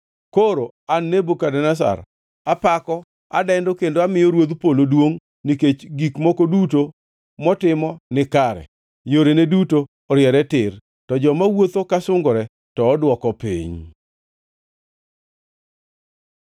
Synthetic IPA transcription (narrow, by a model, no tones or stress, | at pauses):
koɾo | anːebokadɛnas̬a̰ɾ | apakɔ | a̰dɛndokendoamɪjɔɾwod̪polodwoŋ | niket͡ʃɡikmokoduto | mɔtɪmɔnɪkaɾɛ̰ | joɾenedutoːɾjɛɾɛtɪr | tɔd͡ʒɔmawot̪okasʊŋɡoɾɛ | tɔːdwɔkɔpḭɲ